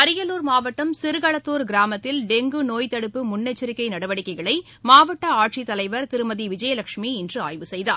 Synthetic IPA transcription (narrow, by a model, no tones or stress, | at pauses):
ɐɾɪjɐluːɾmaːʋɐʈːɐmsɪɾɯɣɐɭɐt̪ːoːɾɡɪɾaːmɐt̪ːɪlɖɛŋɡɯnoːjt̪ɐɽɯpːɯmʊnːɐt͡ʃːɪɾɪkːɐɪnɐɽɐʋɐɽɪkːɐɪɣɐɭɐɪ | maːʋɐʈːɐaːʈʂit̪ːɐlɐɪʋɐɾk̪ɪɾɯmɐðiʋɪd͡ʒɐjɐlɐkʂmiɪndrɯa̰ːjʋɯsɛjða̰ː